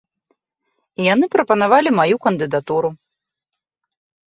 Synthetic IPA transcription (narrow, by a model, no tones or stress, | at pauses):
ijanɨpɾɐpɐnavalʲimajukɐnd̪ɨd̪at̪uɾu